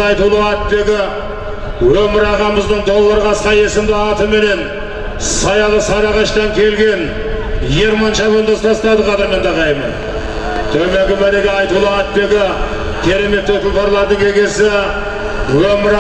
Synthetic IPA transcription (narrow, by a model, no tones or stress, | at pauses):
ɑjt̪ulˠəɑt̪̚pe̞ɡʲɪ | wɵmɪɾɑʁɑməzd̪əɴd̪o̞lˠːɑɾʁɑsqɑje̞sɪmd̪ɪɑt̪əme̞ne̞n | sɑjɑlˠəsɑɾɑʁɑʃt̪ɑŋkʲʰe̞lɡʲe̞n | je̞ɾmɑnʃɑβəlˠd̪ɑst̪ʰɑst̪ɑd̪əqʰɑd̪ɑɾmend̪ɑʁɑjmən | t̪ʰɵme̞ɡʲɪbæɾeɡʲeɑjt̪ulˠəɑt̪̚pe̞ɡʲɪ | kʲʰe̞ɾe̞me̞t̪ːɵt̪ʊlˠpɑɾlˠɑɾd̪əŋe̞ɡʲe̞sɪ | wɵmɪɾ